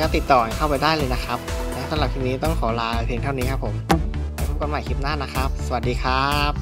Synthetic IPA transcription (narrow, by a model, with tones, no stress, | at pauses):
kɔ˥˩t̪i˨˩t̪ːɔː˨˩a˨˩kʰa˥˩wpa˧jdaː˥˩jlɤː˧jna˦˥kʰa˦˥p̚lɛː˦˥t̪ʰa˧˩la˨˩pʰi˧˥ŋniː˦˥t̪ɔ˥˩ŋkʰɔː˩˦laː˧pʰeː˧ŋt̪ʰa˥˩wniː˦˥kʰa˦˥pʰːo˨˩˦ma˧˩pʰa˧˩ko˧nmaː˨˩jkʰi˦˥p̚naː˥˩na˦˥kʰɾa˦˥p̚sa˧wa˨˩diː˧kʰɾaː˦˥˦p̚